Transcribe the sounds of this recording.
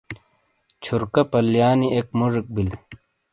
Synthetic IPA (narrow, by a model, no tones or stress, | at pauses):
t͡ɕʰuɾkɐpɐljaːniʔekmuʐik̚bil